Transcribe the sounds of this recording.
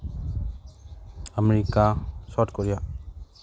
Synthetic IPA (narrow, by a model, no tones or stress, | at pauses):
əmeɾikasɔʈkɔɾija